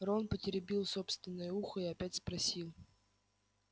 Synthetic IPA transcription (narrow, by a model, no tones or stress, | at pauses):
ronpətʲɪɾʲɪbʲilˠso̞pst̪vʲɪnːɨjʊuxəiɐpʲætʲspɾɐsʲilˠ